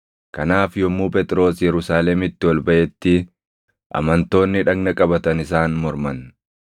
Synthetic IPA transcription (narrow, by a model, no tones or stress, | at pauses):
kɐnaːfjɔmːuːpʼɛt̪ʼɪɾo̞ːsjɛɾʊsaːlɛmɪt̪ːɪwɔlbɐʔɛt̪ːɪ | ʔɐ̰mɐnt̪o̞ːnːɪᶑɐɡnɐkʼɐbɐt̪ɐnɪsaːnmɔɾmɐn